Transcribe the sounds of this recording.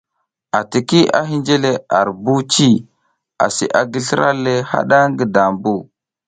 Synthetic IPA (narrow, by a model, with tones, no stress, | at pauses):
a˨ti˨ki˦ʔa̰˦ɦi˦nd͡ʒe˦le˦a˨ɾbu˦t͡ʃi˦˨ | a̰˨sḭ˨ʔa˨ɡi˦ɬi˦ɾa̰˦le˦ha̰˦ɗa˦ŋɡi˨da˨mbu˦˨